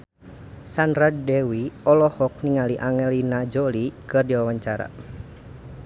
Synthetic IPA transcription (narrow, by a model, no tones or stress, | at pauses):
sanɾaddɛwiɔlɔhɔk̚niŋaliʔaŋɛlinad͡ʒolikɨrdiwawaɲt͡ʃaɾa̰